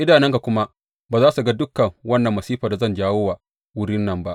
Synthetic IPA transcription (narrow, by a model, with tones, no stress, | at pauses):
ʔɪ˦daː˨nɛ˦ŋka˨kʷʊ˦ma˦ʔ | baː˨zaː˦su˨ɡa˦dʊ˦kːɐ˨ŋwɐ˦nːɐ˨mːɐ˨siː˦ɸaː˨da˨zɐ˦˨nd͡ʒaː˦woː˦waː˨ | wʊ˦ɽɪ˦nːɐ˨mba˦ʔ